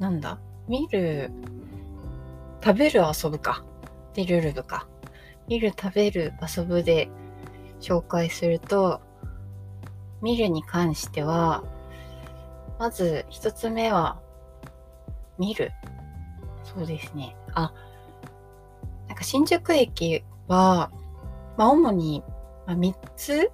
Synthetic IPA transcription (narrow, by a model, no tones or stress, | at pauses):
nãnd̪a̰ | mʲiɾɯ̟ | t̪abe̞ɾɯ̟aso̞bɯ̟ka | d̪eɾɯ̟ɾɯ̟bɯ̟ka | mʲiɾɯ̟t̪ʰabe̞ɾɯ̟aso̞bɯ̟d̪e̞ | ɕo̞ːkaisɨɾɯ̟t̪o̞ | mʲiɾɯ̟ɲ̟ikʰãɰ̃ɕi̥t̪e̞βa | mazɨçi̥t̪o̞t͡sɨme̞βa | mʲiɾɯ̟̰ | so̞ːd̪e̞sɨne̞a | nãŋkaɕĩɲ̟d͡ʑokɯ̟ekʲi | βa | maomo̞ɲ̟imamʲit͡sɨ